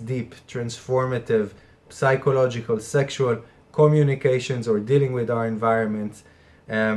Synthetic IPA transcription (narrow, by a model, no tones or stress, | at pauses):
diːpt̪ɹãnsfɔɹmat̪ɪv | psajkɔlɔd͡ʒɪkalsɛkʃual | kʰɔmjunikeʃɔ̃nzɔɹdilɪ̃ŋɡwɪd̪aʊəɹɛ̃nvajɹɔ̃nmɛ̃nt